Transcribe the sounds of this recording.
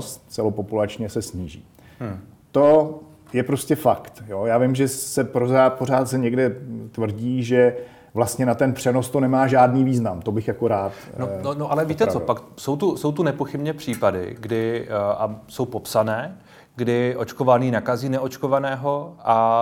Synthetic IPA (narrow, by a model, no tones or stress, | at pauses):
st̪t͡sɛlopopulat͡ʃɲɛsɛsɲiːʒḭː | t̪o | jɛpɾoscɛfakt̪jojaːvɪmʒɛsɛpɾozaːt̪̚poɾ̝aːt̪sɛɲɛɡdɛt̪vr̩ɟiːʒɛ | vlast̪ɲɛnat̪ɛnpr̥ɛno̞st̪o̞nɛmaːʒaːdniːviːznamt̪o̞bɪxjakoɾaːt̪noonoʔalɛviːt̪ɛɾt͡sopakso̞wt̪uso̞wt̪unɛpoxɪbɲɛpr̝̥iːpadɪ̰ɡdɪʔaso̞wpo̞psanɛː | ɡdɪʔo̞t͡ʃkovaniːnakaziːnɛʔo̞t͡ʃko̞vanɛːɦoʔa